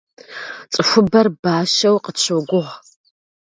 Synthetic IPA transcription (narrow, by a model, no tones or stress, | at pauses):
t͡sʼɨxʷʊbɐrbaːʃɐwqət͡ʃʷʰoɡʷʊʁ